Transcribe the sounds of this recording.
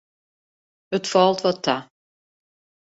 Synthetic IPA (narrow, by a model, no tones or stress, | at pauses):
ətfɔlˠtʋɔtʰːa